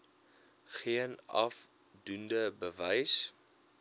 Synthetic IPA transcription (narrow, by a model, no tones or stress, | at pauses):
χiənɐ̰f | dundəbəvəjs